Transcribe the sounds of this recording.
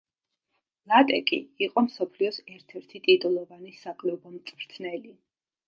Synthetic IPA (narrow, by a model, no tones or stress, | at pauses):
lˠat̪ʼɛkʼḭːqʼɔmsɔpʰliɔsɛɾt̪ʰɛɾt̪ʰit̪ʼit̪ʼulˠɔvanisakʼlɛɔbɔmt̪sʼvɾt̪sʰnɛli